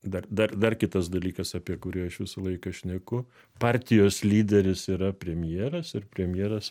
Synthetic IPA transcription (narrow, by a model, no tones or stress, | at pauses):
d̪ɐrd̪ɐrd̪ɐrkʲɪt̪ɐsd̪ɐlʲiːkɐsɑːpʲiɛkʊɾʲɪɐʃʋʲɪsɐlˠɐɪkɐʃʲnʲɛkʊ | pɑːɾʲt̪ʲɪjoːslʲiːd̪ʲɛɾʲɪsiːɾɐpʲɾʲɛmʲjeːɾɐsɪɾpʲɾʲɛmʲjeːɾɐs